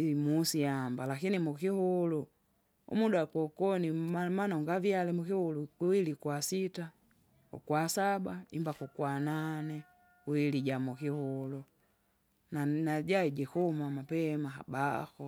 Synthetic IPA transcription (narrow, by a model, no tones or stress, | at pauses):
musiambalakinimukihulu | ṵmudaakɔkɔnimanauŋɡavjalɛmukihulukiwilikwasita | ṵkwasabaimbakukwananɛ | uwiliɟamukihulu | nanaɟaiɟɛkumamapɛmaɦa̰ba̰kɔ